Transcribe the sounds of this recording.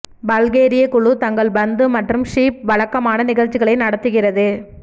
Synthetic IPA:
bɐlɣeːɾɪjɐkʊɭut̪ɐŋɡɐɭbɐnd̪ɯmɐʈrɯmʂiːp̚ʋɐɻɐkːɐmaːnɐnɪɣɐɻt͡ʃːɪɣɐɭɐɪnɐɽɐt̪ːɯɣɪrɐðɯ

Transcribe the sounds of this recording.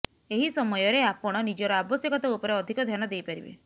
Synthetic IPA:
eɦisɔmɔjɔɾeapɔɽ̃ɔnid͡ʒɔɾɔabɔsjɔkɔt̪ɔupɔɾeɔd̪ʱikɔd̪ʱjanɔd̪ejpaɾibḛ

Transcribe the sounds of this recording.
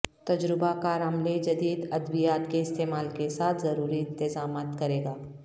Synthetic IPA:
t̪ɐd͡ʒɾɪbakaɾɐmled͡ʒɐd̪iːd̪ɐd̪bijaːt̪keɪst̪eːmaːlkesaːt̪ʰzɐɾuːɾiɪ̃nt̪ɪzaːmaːt̪kɐɾeːɡaː

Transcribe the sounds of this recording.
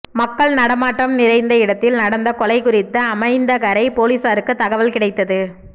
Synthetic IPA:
mɐkːɐɭnɐɽɐmaːʈːɐmnɪɾɐɪnd̪ɐɪɽɐt̪ːɪlnɐɽɐnd̪ɐkɔlɐɪkʊrɪt̪ːɐːmɐɪnd̪ɐkɐɾɐɪpoːliːsaːɾɯkːɯt̪ːɐɣɐʋɐlkɪɽɐɪt̪ːɐðɯ

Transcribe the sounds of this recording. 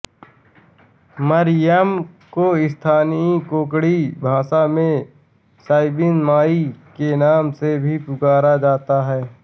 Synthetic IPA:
məɾɪjəmkoɪst̪ʰaːnikoːkɽibʱãːsamẽ | saːɪbɪnmaːikenaːmsebʱipʊkaːɾad͡ʒaːt̪aɦɛː

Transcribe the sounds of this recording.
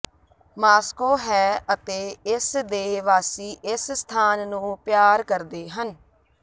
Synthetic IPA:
maːskoːɦɛːət̪eːɪsd̪eːʋaːsiːʔɪsst̪ʰaːnːũːpjaːɾkəɾd̪eːɦən

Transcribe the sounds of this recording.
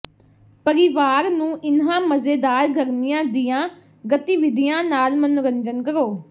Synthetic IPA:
pəɾɪʋaːɾnũːʔɪnɦãːməzeːd̪aːɾɡʱəɾmɪjãːd̪ɪjãː | ɡət̪iːʋɪd̪ijãːnaːlmənʊɾəɲd͡ʒənkəɾoː

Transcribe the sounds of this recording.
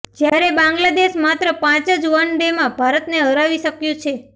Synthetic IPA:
d͡ʒjaɾebãŋɡlad̪eʃmat̪ɾəpãt͡ʃəd͡ʒuʋanɖemãbʱaɾət̪neɦəɾaʋiʃəkjũt͡ʃʰe

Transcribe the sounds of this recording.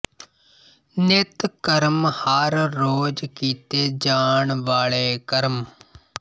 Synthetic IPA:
net̪kəɾmhaɾːoːd͡ʒkiːt̪eːd͡ʒaːɳʋaːɭeːkəɾm

